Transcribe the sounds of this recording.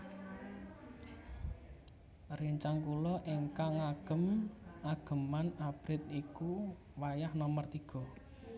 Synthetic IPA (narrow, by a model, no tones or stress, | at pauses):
riɲt͡ʃaŋkulɔʔeŋkaŋaɡ̥ə̤maɡ̥ə̤manab̥ɾɪt̪̚iku | wajahnɔmərt̪iɡ̥ɔ̤